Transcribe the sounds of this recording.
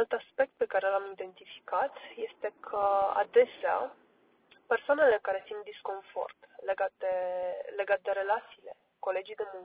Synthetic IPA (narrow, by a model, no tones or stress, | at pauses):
nalt̪aspe̞k̚t̪̚pe̞kaɾe̞lamid̪e̞nt̪ifi̥kat̪je̞st̪e̞kʰəa̰d̪e̞sea̰ | pe̞rsoanele̞kaɾe̞sint̪̚d̪isko̞nfo̞̰rt̪leɡat̪̚d̪ele̞ɡat̪̚d̪e̞ɾe̞lat̪siːle̞̰ | ko̞le̞d͡ʒijd̪emuŋk